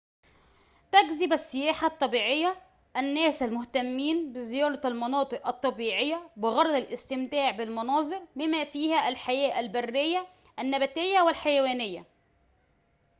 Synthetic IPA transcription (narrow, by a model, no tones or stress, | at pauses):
t̪æɡzɪbæsːɪjæːħat̪ˤːɑbiːʕejːæ | ʔænːæːsælmʊht̪æmːiːnbɪzɪjɑːɾˤɑælmɑnɑːt̪ˤɨʔɑt̪ˤːɑbiːʕejːæbɪɣɑɾˤɑd̪ˤælʔɪst̪ɪmt̪æːʕbɪlmɑnɑːzˤɨɾmɪmːæːfiːhæʔælħajæːʔælbærːɪjːæ | ʔænːæbæt̪ɪjːæwɪlħajæwæːnɪjːæ̰